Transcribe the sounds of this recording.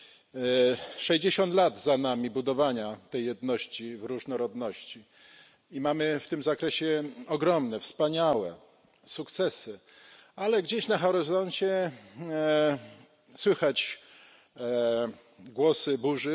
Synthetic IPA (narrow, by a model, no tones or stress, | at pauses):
ʂɛʑd͡ʑeɕɔnt̪lad̪zanamʲibud̪ɔvaɲat̪ɛjːɛd̪nɔɕt͡ɕivɾuʐnɔɾɔd̪nɔɕt͡ɕi | imamɘft̪ɘmzakɾɛɕɛɔɡɾɔmnɛfspaɲawɛ̰ | sukt̪sɛsɘ | alɛɡd͡ʑeɕnaxɛɾɛzɔnt͡ɕɛ | swɘxat͡ɕ | ɡwɔsɘbuʐɘ